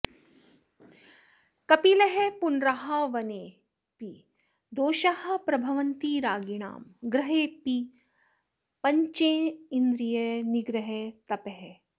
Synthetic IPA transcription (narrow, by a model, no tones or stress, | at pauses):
kɐpileɦepunɾɐɦɐʋɐneː | pi | d̪oːʃɐhɐ̆pɾɐbʱɐʋɐnt̪iɾaːɡiɳa̰ːmɡɾɐɦeːpi | pɐɲt͡ʃeːind̪ɾijɐniɡɾɐɦet̪ɐpeɦe